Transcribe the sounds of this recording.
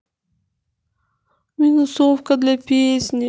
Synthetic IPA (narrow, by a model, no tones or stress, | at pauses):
mʲinusofkəd̪lʲapʲesʲnʲi